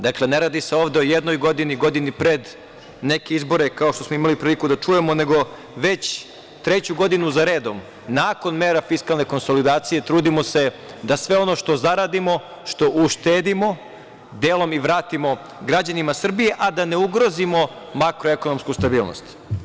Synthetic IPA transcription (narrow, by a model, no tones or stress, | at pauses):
d̪akle̞neɾaːd̪iseo̞ːʋd̪eo̞jed̪no̞jɡo̞d̪iniɡo̞d̪inipɾe̞d̪ | ne̞keizbo̞ɾe̞kaoʃt̪o̞smoimalipɾiːlikud̪at͡ʂuje̞mo̞ne̞ɡo̞ | ʋe̞t͡ɕ | t̪ɾet͡ɕuɡo̞d̪inuzaɾe̞ːd̪o̞m | nako̞nmeːɾafiskalˠne̞ko̞nsolid̪aːt̪sije̞t̪ɾuːd̪imo̞se̞ | d̪asʋe̞o̞no̞ʃt̪o̞zaɾaːd̪imo̞ | ʃt̪o̞ʔuʃt̪eːd̪imo̞ | d̪eːlo̞miʋɾaːt̪imo̞ | ɡɾad͡ʑanimasr̩bije̞ʔad̪ane̞uɡɾo̞zimo̞ | makɾoeko̞no̞mskust̪abiːlno̰st̪